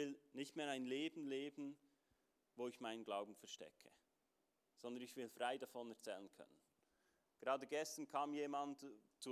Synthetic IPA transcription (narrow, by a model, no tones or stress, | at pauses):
ɪlnɪçtmeːɐɾaɪnleːbn̩leːbn̩ | voːɪçmaɪnənɡlaʊbm̩fɛɐʃtɛ̰kʰə | z̥ɔnd̪ɐnɪçv̥ɪlfʁaɪdafɔnɛɐt͡sɛ̰ːlənkʰœ̰nən | ɡ̥eʁaːdəɡɛstənkʰaːmjeːmant | t͡su